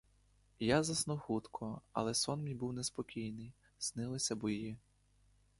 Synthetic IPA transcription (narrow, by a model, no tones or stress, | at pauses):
jazɐsnuxut̪kʰɔɐ̰lˠɛsɔnmʲibuwnɛspɔkʲijnɪj | snɪlˠɪsʲɐbɔjji